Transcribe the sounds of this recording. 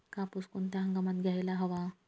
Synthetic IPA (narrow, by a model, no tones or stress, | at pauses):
kãpuskunt̪jãɦə̃ŋɡamat̪ɡʱjajlaɦəʋa